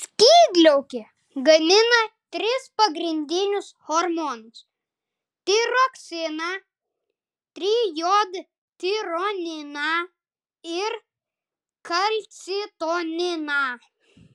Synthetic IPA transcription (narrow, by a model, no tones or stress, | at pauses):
sʲkʲiːd̪ʲlʲɛʊkʲe | ɡɐmʲɪnɐt̪ʲɾʲɪspɐɡɾʲɪnʲd̪ʲɪnʲʊshoɾmoːnʊs | t̪ʲɪɾoksʲɪnɑ | t̪ʲɾʲiːjoːd̪ | t̪ʲɪɾoːnʲɪnɑ | ɪɾ | kɐlʲt̪sʲɪt̪oːnʲɪnɑ